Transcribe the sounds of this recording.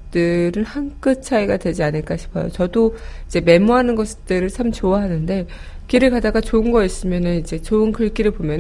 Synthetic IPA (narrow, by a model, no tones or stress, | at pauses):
t͈ɯɾɯnhank͈ɯt͡ɕʰaiɡadwe̞d͡ʑianɯɭk͈aɕʰi̥pʰʌjo̰t͡ɕʌdoid͡ʑe̞me̞moɦanɯnɡʌst͈ɯɾɯɭt͡ɕʰamt͡ɕoaɦanɯnde̞ | kiɾɯɭkadaɡat͡ɕoɯnɡʌis͈ɯmjʌnɯnid͡ʑe̞t͡ɕoɯnkɯɭk͈iɾɯɭpomjʌn